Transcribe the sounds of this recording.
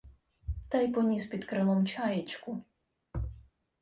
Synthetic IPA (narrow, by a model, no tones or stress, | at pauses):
t̪ɑjpɔnʲispʲid̪kɾɪlˠɔmt͡ʃajet͡ʃkʊ